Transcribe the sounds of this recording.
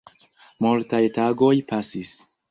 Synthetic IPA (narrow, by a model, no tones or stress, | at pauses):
mult̪ajtaɡojpasis